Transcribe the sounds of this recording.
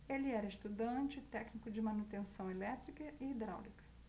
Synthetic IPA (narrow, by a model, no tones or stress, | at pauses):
elɪɛɾɐest̪ud̪ɐ̃t͡ʃɪt̪ɛknikʊd͡ʒɪmɐ̃nut̪ẽsɐ̃w̃elɛt̪ɾikɐʔɪid̪ɾa̰wlikɐ̥